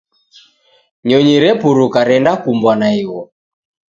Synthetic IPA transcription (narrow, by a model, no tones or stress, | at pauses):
ɲɔɲiɾɛpuɾukaɾɛndakumbwanaiwɔ